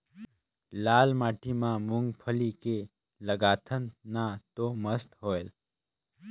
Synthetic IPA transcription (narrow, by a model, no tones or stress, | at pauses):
laːlmaːʈʰimãmʊ̃ŋɡpʰəlike | ləɡaːt̪ʰənnat̪oməst̪ɦoːel